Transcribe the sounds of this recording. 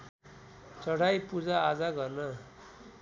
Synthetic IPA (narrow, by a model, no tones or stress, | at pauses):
t͡sʌɽ̤ajpud͡zaːd͡zaɡʌrna